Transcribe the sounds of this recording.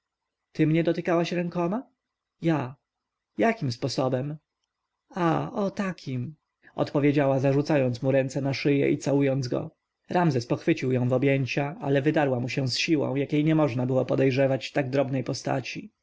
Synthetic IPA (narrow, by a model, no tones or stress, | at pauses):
t̪ɘmɲɛd̪ɔt̪ɘkawaɕɾɛŋkɔma | ja | jakʲimspɔsɔbɛm | aɔt̪akʲʰim | ɔ̰t̪pɔvʲjed͡ʑawazaʐut̪sajɔnt̪muɾɛnt̪sɛnaʂɘjɛ̰ʔḭt̪sawujɔnd̪zɡɔ̰ | ɾamzɛspɔxfɘt͡ɕiwjɔ̃w̃vɔbʲjeɲt͡ɕaalɛvɘd̪aɾwamuɕɛw̃sɕiwɔ̰̃w̃jakʲejɲɛmɔʐnabɘwɔpɔd̪ɛjʐɛvat͡ɕft̪aɡ̚d̪ɾɔbnɛjpɔst̪a̰t͡ɕi